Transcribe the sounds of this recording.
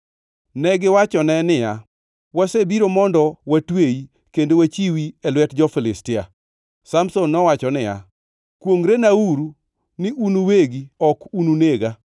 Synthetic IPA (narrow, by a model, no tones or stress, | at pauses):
nɛɡɪwat͡ʃɔnɛnɪja | wasebiɾomɔndɔwatwei | kendowat͡ʃiwiɛlwɛtd͡ʒɔfɪlɪstɪa | samsonːɔwat͡ʃɔnɪja̰ | kwoŋɾenauɾu | nɪʔunuweɡiɔkununeɡa